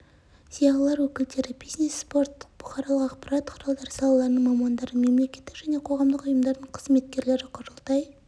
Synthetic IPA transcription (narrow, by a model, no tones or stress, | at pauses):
z̥ijɑʁəlˠɑɾwɵkʲɪld̪e̞ɾɪbijzne̞sːpo̞rt̪ːə̥q̚b̥ʊχɑɾɑlˠəqɑqpɑɾɑt̪̚qʰʊɾɑlˠd̪ɑɾəsɑlˠɑlˠɑɾənəɴmɑmɑnd̪ɑɾəme̞mle̞kʲe̞t̪ːɪkʒ̥æne̞qʰo̞ʁɑmd̪əqʊjəmd̪ɑɾd̪əɴqʰəzme̞t̪kʲe̞ɾle̞ɾɪqʰʊɾəlˠt̪ɑj